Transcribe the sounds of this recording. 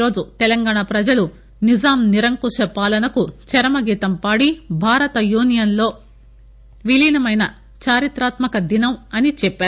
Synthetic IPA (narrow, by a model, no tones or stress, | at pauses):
ɾo̞ːd͡ʒut̪ɛlɐŋɡaːɳapɾɐd͡ʒɐlu | nid͡ʒaːmniɾɐŋkuʃɐpaːlɐnɐkut͡ʃɐɾɐmɐɡiːt̪ɐmpaːɽibʱaːɾɐt̪ɐjuːnijɐnlo̞ː | ʋilinɐmɐjnɐ | t͡ʃaːɾit̪ɾaːt̪mɐkɐd̪inɐmɐnit͡ʃɛpːaːɾu